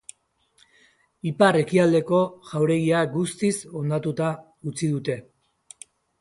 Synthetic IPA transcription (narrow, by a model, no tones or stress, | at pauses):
ipare̞kiald̪e̞ko̞ʝawɾe̞ɣ̞iaɡust̪iso̞nd̪at̪ut̪a | ut͡siðut̪e̞